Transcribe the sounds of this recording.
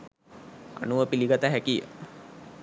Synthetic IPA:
a̰nuʋəpiliɡat̪aɦækijə̰

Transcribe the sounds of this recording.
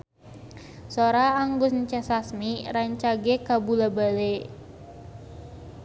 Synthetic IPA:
soɾaːŋɡʊsɲt͡ʃɛsasmiɾaɲt͡ʃaɡekabulabale

